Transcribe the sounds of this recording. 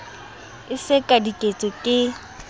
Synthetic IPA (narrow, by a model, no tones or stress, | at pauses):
ɪsɪkʼadikʼet͡sʼɔkʼɪ